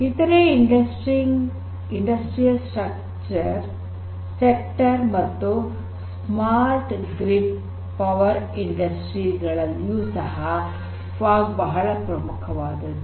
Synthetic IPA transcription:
it̪ɐɾeiɳɖɐsʈɾiŋ | iɳɖɐsʈɾijɐlsʈɾɐk | t͡ʃɐɾ | sek̚ʈɐɾmɐt̪ːu | s | maːɾʈɡɾip | pɐʋɐɾiɳɖɐsʈɾiɡɐɭɐljuːsɐɦɐ | faːɡbɐɦɐɭɐpɾɐmukʰɐʋaːd̪ɐd̪u

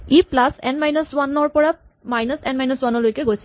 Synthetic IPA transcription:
iplasɛ̰nmajnɔswanɔɹpɔɹa | majnɔsɛnmajnɔswanɔlojkɛɡojsʰi

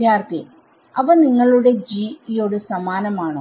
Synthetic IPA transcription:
jaːrk̪i | ɐʋɐniŋːɐɭuɽe̞d͡ʑiːijo̞ːɽɨsɐmaːnɐmaːɳo

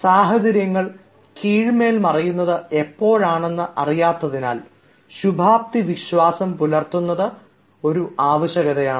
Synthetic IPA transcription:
saːɦɐd͡ʑɐɾjɐŋːɐɭ | kiːɻme̞ːlmɐrɐjunːɐðɨe̞pːo̞ːɻaːɳe̞nːɨʔɐrijaːt̪ːɐðinaːl | ɕubʱaːp̚t̪iʋiɕwaːsɐmpulɐrt̪unːɐðɨ | o̞ɾuʔaːʋɐɕjɐɣɐðɐjaːɳ

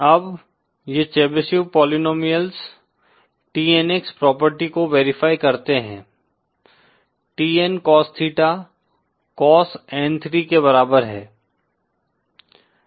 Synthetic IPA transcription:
ɐb | jet͡ʃɛːbɪsjupɔːlinoːmijəls | ʈiːɛnekspɾɔːpəɾʈikoʋeːɾɪfaːikɐɾt̪eɦɛ̃ː | ʈiːɛnkɔːst̪ʰiːʈa | kɔːsɛ̃ːnt̪ʰɾikebɐɾaːbəɾɦɛː

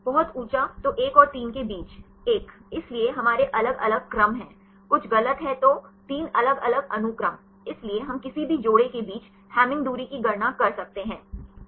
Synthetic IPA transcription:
bɐɦʊt̪uːt͡ʃat̪oʔeːkɔːɾt̪iːnkebiːt͡ʃ | eːkɪslieɦɐmaːɾeʔɐləɡɐləɡ̚kɾɐmɦɛ̃ː | kʊt͡ʃʰɣɐlət̪ɦɛ̃t̪ot̪iːnɐləɡɐləɡɐnʊkɾəm | ɪslieɦɐmkɪsibʱid͡ʒoːɽekebiːt͡ʃ | hɛːmɪ̃ŋɡd̪uːɾikiɡʱɐɾnakɐɾsɐk̚t̪eɦɛ̃ː

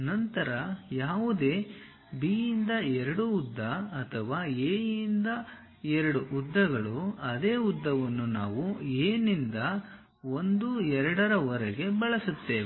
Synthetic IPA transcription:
nɐnt̪ɐɾɐjaːʋud̪e̞ː | biːjind̪ɐɛɾɐɽuːd̪ːɐːt̪ʰɐʋaːeːjind̪ɐ | ɛɾɐɽuʔːd̪ːɐɡɐɭuɐd̪e̞ːud̪ːɐʋɐnːuna̰ːʋueːnind̪ɐ | o̞nd̪uɛɾɐɽɐɾɐʋɐɾɛɡe̞bɐɭɐsut̪ːeːʋ

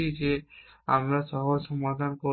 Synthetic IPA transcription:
izea̰mɹasɔɦɔsɔmad̪ʱanko

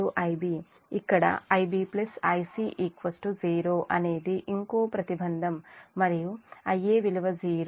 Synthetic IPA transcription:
uʔɐjbi | ikːɐɽɐ̰ɐjbiːplɐsɐjsiʔikʋɐsʈud͡ʒiːɾoːʔɐne̞ːd̪iʔiŋkoːpɾɐt̪ibʱɐnd̪ʱɐmːɐɾijuɐjːeːʋiluʋɐziːɾ

